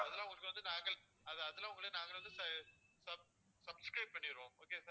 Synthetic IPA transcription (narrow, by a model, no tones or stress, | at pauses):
ɐðɐlãːʊŋɡɐɭɯkːʋɐnd̪ɯnaːŋɡɐɭ | ɐðɐðɐlːãːʊŋɡɐɭeːnaːŋɡɐɭʋɐnd̪ɯsɐsɐb̚ | sɐbskɾɐɪb̚pɐɳːɪɪɾõːoːkeːsaː